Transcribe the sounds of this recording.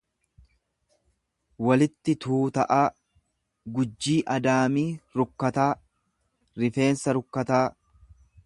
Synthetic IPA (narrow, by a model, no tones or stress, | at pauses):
wɐlɪt̪ːɪt̪ʰuːt̪ɐʔaː | ɡʊd͡ʒːiːʔɐd̪aːmiːɾʊkːɐt̪aː | ɾɪfe̞ːnsɐɾʊkːɐt̪aː